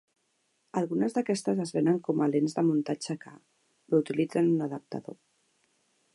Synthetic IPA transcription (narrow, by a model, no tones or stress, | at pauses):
əlˠɣunəzðəkɛst̪əzəzβenəŋkɔmalenzðəmunt̪ad͡ʒəka | ut̪ilid͡zənunəðəp̚t̪ə̰ðo̰